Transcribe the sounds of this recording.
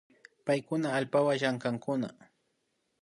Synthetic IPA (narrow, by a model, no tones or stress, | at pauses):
pajkʊnaːlpawaʃaŋkaŋkʊna̰